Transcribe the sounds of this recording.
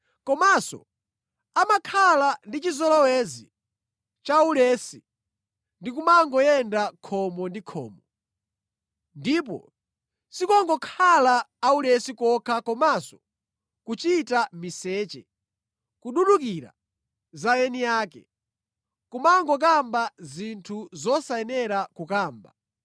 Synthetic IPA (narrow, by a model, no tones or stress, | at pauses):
kɔmasɔ̰ | amakʰalandit͡ʃizɔlɔwɛzi | t͡ʃaulɛsi | ndik̬umaŋɡɔjɛndakʰɔmɔndikʰɔ̰ːmɔ | ndip̬ɔ̰ | sikɔŋɡɔkʰalaːulɛsikɔkʰakɔmasɔ̥ | kut͡ʃitamisɛːt͡ʃɛ̰ | kuɗuɗukiɾa̰ | zajɛnijaːkɛ̰ | kumaŋɡɔk̬ambazintʰuzɔsajɛnɛɾakukaːmba̰